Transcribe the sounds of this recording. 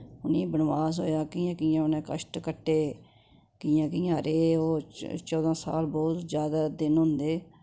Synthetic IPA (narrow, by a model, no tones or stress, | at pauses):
ʊniːbənʋaːsɦo̰ːjaːkiːãːkiːãːʊnẽːkə̰ʃʈkəʈːeː | kiːjãːk̬iːãːɾeːoːt͡ʃɔːd̪ãːsa̰ːlbɔːt̪zjaːd̪aːd̪ɪnɦʊ̃nd̪eː